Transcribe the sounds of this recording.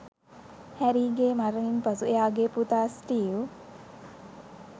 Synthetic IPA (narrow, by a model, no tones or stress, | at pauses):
hæɾiːɡeːmaɾəninpɐsuejaːɡeput̪aːsʈiːu